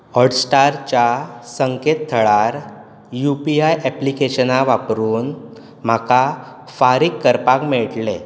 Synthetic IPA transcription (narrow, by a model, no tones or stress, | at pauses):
ɔɾɖsʈaɾt͡ɕasəŋket̪t̪ʰːəɭaɾ | jupiajɛplikeɕənaʋapɾuːn | m̤akafaɾikːəɾpakmeɭʈle